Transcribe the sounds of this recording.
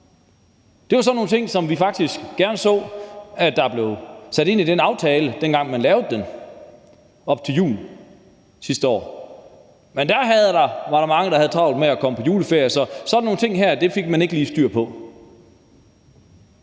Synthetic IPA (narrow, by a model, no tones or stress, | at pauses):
d̥e̝ʋɑ̈s̬ɒ̽dnːo̝ːnt͡sʰe̝ŋ̰sɒ̽mʋifɑ̈ɡ̥d̥isɡ̥ɡ̥æɐnsɔ̰̽ːæ̥ːɑ̈b̥le̝ʊsæɾ̥e̝n̰id̥enɑ̈ʊt͡sʰɛːləd̥enɡ̥ɑ̈ŋ̰mænlɛːʊð̩ˠd̥en | ɒ̽b̥̚t͡sʰe̝ljṵːl̩ | sisd̥əɒ̰ː | mend̥æɐɦæð̞̩ˠdɑ̈ʋɑ̈ɾ̥ɑ̈mɑ̈ŋəd̥ɑ̈hæð̞ˠt͡sʰʁɑ̈ʊl̥ˠmeækʰɒ̽məpʰɒ̽juːləfe̝ɐjəsɒ̽sɒdn̩o̝ːŋnt͡sʰe̝ŋ̰ɦæɐd̥e̝fe̝ɡ̥mæne̝ɡ̥əliːsd̥y̰ɐ̰pʰɒ̽